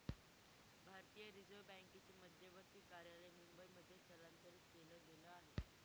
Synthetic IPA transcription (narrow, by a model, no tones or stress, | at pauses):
bʱaɾt̪ijəɾid͡zobɛŋkit͡ɕiːməd̪ʱjəʋəɾt̪iːkaɾjaləjmumbəjməd̪ʱjesəlant̪əɾiːt̪keləːɡeləaɦe